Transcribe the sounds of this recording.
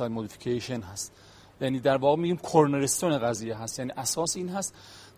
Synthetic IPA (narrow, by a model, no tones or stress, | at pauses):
ɒjmod̪ifi̥cʰeʃenɦæst̪ | jæːniːd̪æɾvɒːɣemiːɡiːmkʰoɾneɾest̪oneɣæziːjeɦæst̪jæːniːʔæsɒːsiːnɦæst̪